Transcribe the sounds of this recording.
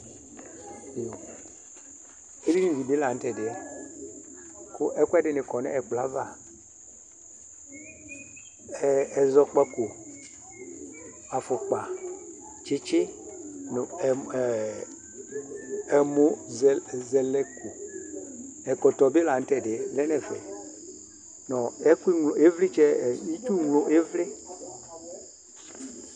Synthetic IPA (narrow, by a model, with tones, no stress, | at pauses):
o˨ | e˦di˦ni˦˨vi˨bɪ˦la˨n̩˦tɛ˨dɪ˨ɛ˦ | kʊ˦ʔɛ˦kʷɛ˦dɪ˨nɪ˨kɔ˨nɛ̰˦ɛ˨k͡pla˦va˨ | ɛ˦˨ɛ˨zɔ˦k͡pɛ˦ku˨ | a˨fʊ˨k͡pa˨ | t͡ʃɪ˦t͡ʃɪ˦nʊ˨ | ɛ˨mʊ̃˨zɛ˨zɛ˨lɛ˦ku˨ | ɛ˨kɔ˨tɔ˨be˦la˨n̩˦tɛ˦˨de˨lɛ˦nɛ˨fɛ̰˨ | nɔ˨ɛ˦ku˦i˦ŋlo˨e˦vlɪ˦t͡ʃɛ˦˨i˦tu˦ŋlo˦ʔe˦vle˦